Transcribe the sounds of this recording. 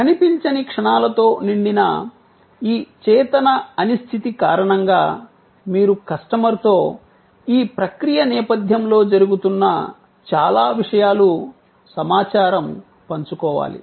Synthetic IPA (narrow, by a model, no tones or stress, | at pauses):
kɐnipiɲt͡ʃɐnikʂɐɳaːlɐt̪o̞ːniɳɖinɐ̰ | iːt͡ʃɛːt̪ɐnɐɐnist̪ʰit̪ikaːɾɐɳɐŋɡaː | miːɾukɐʂʈɐmɐɾt̪o̞ː | iːpɾɐkɾijɐnɛːpɐd̪ʱjɐmlo̞ːd͡ʒɐɾuɡut̪unːɐ̰ | t͡ʃa̰ːlaːʋiʂɐjaːlu | sɐmaːt͡ʃaːɾɐm | pɐɲt͡ʃukɔːʋa̰ːlḭ